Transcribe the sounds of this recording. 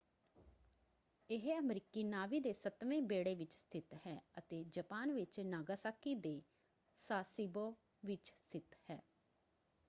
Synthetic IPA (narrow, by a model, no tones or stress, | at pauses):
ɪɦəmɾikiːnaːʋiːd̪eːsət̪ʋẽːbeːɽeːʋɪt͡ʃst̪ʰɪt̪hɛːət̪eːd͡ʒəpaːnʋɪt͡ʃnaːɡaːsaːkiːd̪eː | saːsiːboː | ʋɪt͡ʃst̪ʰɪt̪hɛː